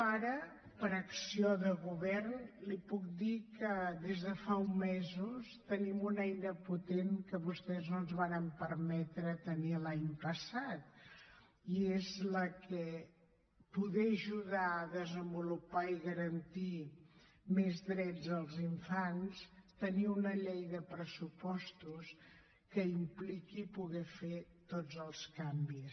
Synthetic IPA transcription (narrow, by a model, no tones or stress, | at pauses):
aɾə | pəɾəksioðəɣuβɛrnlipuk̚d̪ikəðezðəfaumːezust̪ənimunɛjnəput̪eŋkəβust̪ɛznonzβaɾəmpəɾmɛt̪ɾət̪ənilaɲpəsat̪̚ | iezləkʰɛ | puðɛəʒuðaəðəzəmbulupaiɣəɾənt̪i | mezðɾɛd͡zəlˠziɱfanst̪əniunəʎejðəpɾəsupɔst̪us | kəimplikipuɣɛfet̪od͡zəlˠskambis